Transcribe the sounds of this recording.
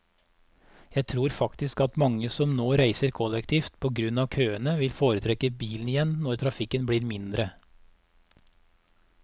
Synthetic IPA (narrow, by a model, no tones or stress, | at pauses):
jæɪt̪ʰɾuːɾfɑkt̪ɪskɑt̪mɑŋəsɔmnoːɾæɪsəɾkʰɔlɛkt̪ʰiːft̪pʰoːɡɾʉnɑːʋkʰøːənəʋɪlfoːɾət̪ʰɾɛkəbiːln̩ɪjɛnnɔɾt̪ʰɾɑfɪkənbɽiːɾmɪnd̪ɾə